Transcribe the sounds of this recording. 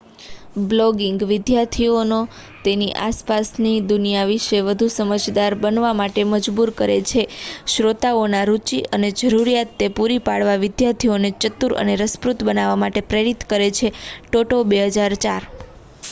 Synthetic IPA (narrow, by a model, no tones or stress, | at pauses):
blɔɡiŋɡʋɪd̪jaɾt̪ʰiono | t̪eniʔaspasnid̪unijaʋiʃeʋəd̪ʱusəməd͡ʒd̪aɾbənʋamaʈeməd͡ʒbuɾkəɾḛt͡ʃʰeʃɾot̪aonaɾut͡ʃiʔəned͡ʒəɾuɾijat̪ːepuɾipaɽʋaʋɪd̪jaɾt̪ʰionet͡ʃət̪uɾə̰neɾəspɾut̪bənaʋamaʈepɾeɾit̪kəɾet͡ʃʰeʈoʈobeɦəd͡ʒaɾt͡ʃaɾ